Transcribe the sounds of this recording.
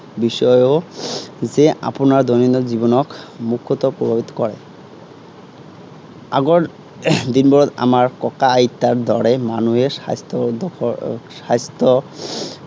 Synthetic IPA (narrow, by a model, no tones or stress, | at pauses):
biʃɔjo | zeʔa̰ponaɾd̪oninod͡ʑibɔnɔkmukʰːot̪opɾobʱabit̪ɔ̥kɔɾḛ | a̰ɡoɾ | d̪inbɔɾɔd̪a̰maɾkɔkaːit̪ːaɾd̪ɔɽemanuɦeast̪od̪ɔɔast̪ʰo